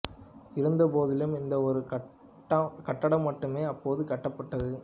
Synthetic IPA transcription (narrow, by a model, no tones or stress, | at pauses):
ɪɾɯnd̪ɐpoːðɪlɯmɪnd̪ɐɔɾɯɐ | kɐʈːɐɽɐmːɐʈːɯmeːɐpːoːðɯkɐʈːɐpːɐʈːɐðɯ